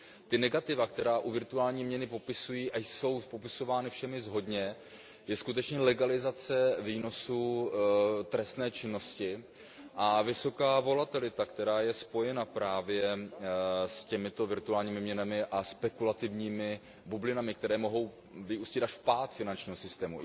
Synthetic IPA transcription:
t̪ɪnɛɡat̪ɪvakt̪ɛɾaːʔuvɪɾt̪uaːlɲiːmɲɛnɪpo̞pɪsujiːʔajso̞wpo̞pɪso̞vaːnɪfʃɛmɪzɦo̞dɲɛ | jɛskut̪ɛt͡ʃɲɛlɛɡalɪzat͡sɛviːno̞su | t̪ɾɛst̪nɛːt͡ʃɪnːo̞scɪ | ʔavɪso̞kaːvo̞lat̪ɪlɪt̪akt̪ɛɾaːjɛspo̞jɛnapɾaːvjɛ | scɛmɪt̪o̞vɪɾt̪uaːlɲiːmɪmɲɛnamɪʔaspɛkulat̪ɪvɲiːmɪ | bublɪnamɪkt̪ɛɾɛːmo̞ɦo̞w | vɪuːscɪt̪aʃpaːt̪fɪnant͡ʃɲiːɦo̞sɪst̪ɛːmṵ

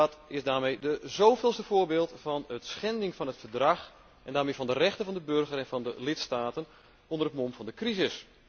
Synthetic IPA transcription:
ɔtɪzdaːɹmejdəzoːvɪlˠstəvʊːbeːlˠtfɑnətsxɛndɪŋfɑnɦətfərdrɑx | ɛndaːɹmeːvɑndərɛxtənvɑndəbɵrɣərɛnvɑndəlɪtstaːtən | ɔndərətmɔmfɑndəkrizɪs

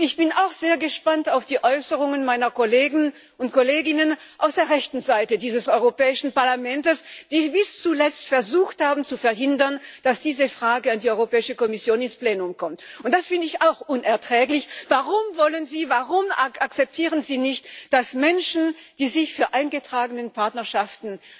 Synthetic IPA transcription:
ɪçb̥ɪnaʊxz̥eːɐɡəʃpantaʊfd̥iːʔɔʏsəʁʊŋənmaɪnɐkoleːɡŋ̩ | ʊntkʰoleːɡɪnən | ʔaʊsd̥eːɐʁɛçtn̩zaɪtədiːzəsɔʏʁopɛːɪʃn̩paɐlamɛntəsd̥iːbɪst͡sulɛt͡stfɛɐzuːxthaːbn̩t͡sufɛɐɦɪndɐnd̥asd̥iːzəfʁ̥aːɡəandiːɔʏʁopɛːɪʃəkɔmɪsjoːnɪnspleːnʊmkʰɔmtʊ̃nt̚d̥asfɪndəɪçaʊxʔʊnɛɐtʁ̥ɛːklɪçv̥aʁʊmvɔlənziːvaʁʊmaak̚t͡sɛp̚tʰiːʁənziːnɪçtd̥asmɛnʃn̩d̥iːzɪçfyːɐʔaɪnɡətʁ̥aːɡənənpʰaɐtnɐɐʃaftn̩

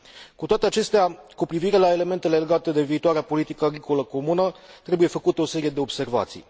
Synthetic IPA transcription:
kut̪oat̪e̞at͡ʃe̞st̪eakupɾiviɾe̞lae̞le̞me̞nt̪e̞le̞le̞ɡat̪e̞d̪e̞viːt̪oaɾeapo̞lit̪ikəaɡɾiko̞ləko̞munət̪ɾe̞buje̞fəkut̪eo̞se̞ɾije̞d̪e̞o̞bse̞rva̰t̪sḭj

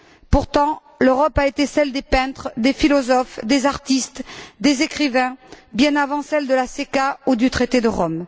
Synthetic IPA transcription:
puʁt̪ɑ̃ | løʁɔpaet̪esɛld̪epɛ̃t̪χd̪efilɔzɔfd̪ezaʁt̪ist̪d̪ezekχivɛ̃bjɛ̃navɑ̃sɛld̪əlasekaud̪yt̪χet̪ed̪əʁɔm

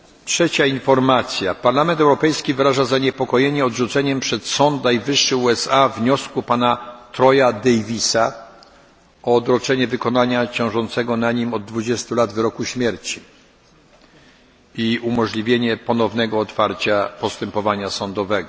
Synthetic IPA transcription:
tʂɛt͡ɕainfɔɾmat̪sʲjapaɾlamɛnt̪ɛwɾɔpɛjskʲivɘɾaʐazaɲɛpɔkɔjeɲɛɔdʐut̪sɛɲɛmpʂɛt̪sɔnt̪najvɘʂːɘuɛsavɲɔskupanat̪ɾɔjad̪ɛjvʲisa | ɔːd̪ɾɔt͡ʂɛɲɛvɘkɔnaɲat͡ɕɔ̃w̃ʐɔnt̪sɛɡɔnaɲimɔd̪̚ːvud͡ʑɛst̪ulad̪vɘɾɔkuɕmʲjɛɾt͡ɕi | iumɔʐlʲivʲjeɲɛpɔnɔvnɛɡɔːt̪faɾt͡ɕapɔst̪ɛmpɔvaɲasɔnd̪ɔvɛɡɔ

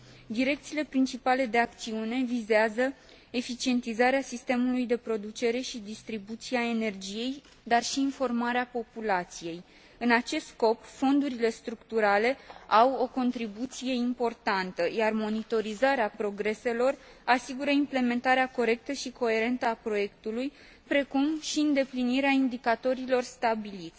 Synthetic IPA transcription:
d̪iɾe̞k̚t̪siːle̞pɾint͡ʃipale̞d̪e̞akt̪siune̞vizeazə | e̞fit͡ʃie̞nt̪izaɾeasist̪e̞mulujd̪e̞pɾo̞d̪ut͡ʃe̞ɾe̞ʃid̪ist̪ɾibut̪siae̞ne̞rd͡ʒije̞j | d̪arʃiːnfo̞rmaɾeapo̞pulat̪sije̞j | ɨnat͡ʃe̞st̪sko̞pfo̞nd̪uɾile̞st̪ɾukt̪uɾale̞awo̞ko̞nt̪ɾibut̪sije̞impo̞rt̪ant̪əjarmo̞nit̪o̞ɾizaɾeapɾo̞ɡɾe̞se̞lo̞r | asiɡuɾəimple̞me̞nt̪aɾeako̞ɾe̞k̚t̪əʃiko̞e̞ɾe̞nt̪əapɾo̞je̞kt̪uluj | pɾe̞kumʃiɨnd̪e̞pliniɾeaind̪ikat̪o̞ɾilo̞rst̪abilit̪sʲ

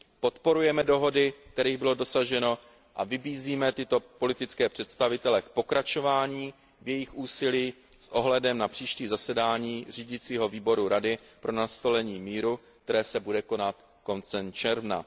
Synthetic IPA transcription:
po̞t̪po̞ɾujɛmɛdo̞ɦo̞dɪk̚t̪ɛɾiːɣbɪlo̞do̞saʒɛno̞ | ʔavɪbiːziːmɛt̪ɪt̪o̞po̞lɪt̪ɪt͡skɛːpr̥ɛt̪st̪avɪt̪ɛlɛk̚po̞kɾat͡ʃo̞vaːɲiː | vjɛjɪxʔuːsɪliː | sʔo̞ɦlɛdɛmnapr̥iːʃciːzasɛdaːɲiːr̝iːɟɪt͡siːɦo̞viːbo̞ɾuɾadɪpɾʔo̞nast̪olɛɲiːmiːɾu | k̚t̪ɛɾɛːsɛbudɛko̞nat̪ | ko̞nt͡sɛmt͡ʃɛɾvna̰

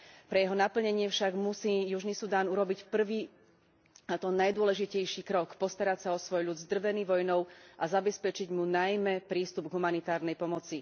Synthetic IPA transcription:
pɾɛjɛɦɔnapl̩ɲɛɲɪɛfʃaɡmusiːjuʒnisud̪aːnuɾɔbicpr̩ʋiː | at̪ɔnajd̪ʊɔlɛʒicɛjʃikɾɔkpɔst̪aɾacsaɔsʋɔjʎud̪zd̪r̩ʋɛniːʋɔjnɔʊʔazabɛspɛt͡ʃiɟmunajmɛpɾiːst̪ubɡɦumanit̪aːɾnɛjpɔmɔt͡si

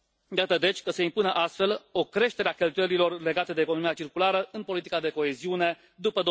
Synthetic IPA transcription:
jat̪əd̪e̞t͡ʃʲkəse̞impunəʔast̪fe̞lo̞kɾe̞ʃt̪e̞ɾeakʲe̞lt̪ujelilo̞rle̞ɡat̪e̞d̪eːkonomiat͡ʃirkulaɾəʔɨnpo̞lit̪ikad̪e̞ko̞e̞ziune̞ | d̪upəd̪o

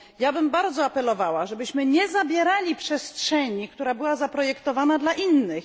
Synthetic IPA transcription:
jabɘmbaɾd̪zɔapɛlɔvawaʐɛbɘɕmɘɲɛzabʲjɛɾalʲipʂɛstʂɛɲik̚t̪uɾabɘwazapɾɔjɛkt̪ɔvanad̪laʔinːɘx

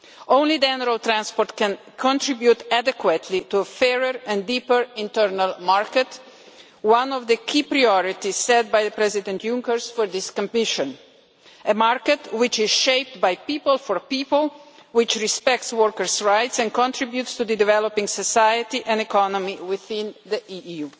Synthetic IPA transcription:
ʔõʊ̃nlid͡ʒɛnəɾalt̪ɾãnspɔɾt̪kɛ̃n | kʰɔ̃nt̪ɾibjut̪æd̪ɛkwət̪ʰlit̪uəfɛɹəɾɛ̃ndiːpəɾɪ̃nt̪əɾnalmaɹkɛt | wãnɔvd̪əkʰiːpɾajɔɾit̪issɛt̪̚bajdəpɾɛzid̪ɛ̃nt̪ʰjũŋkəɾsfɔɾd̪ɪskɔ̃mpmɪʃɔ̃n | əmaɾkɛt̪wɪt͡ʃɪz̥ʃeɪp̚t̪bajpiːpəlfɔɹpiːpəlwɪt͡ʃɾispɛk̚t̪swɔɾkəɾsɹaɪt̪sɛ̃nkɔ̃nt̪ɾibjut̪st̪ud̪əd̪ivɛlɔpĩŋsɔsajət̪iʔɛ̃ndɛkɔnɔmiwɪθɪ̃nd̪əʔiju

